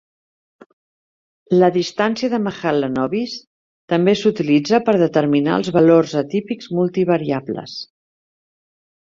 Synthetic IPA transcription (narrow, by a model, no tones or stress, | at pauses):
ləðist̪ansiəðəməxalːənɔβis | t̪əmbesut̪ilid͡zəpəɾðət̪əɾmina̰lˠzβəlorzət̪ipikzmulˠt̪iβ̞əɾiablə̰s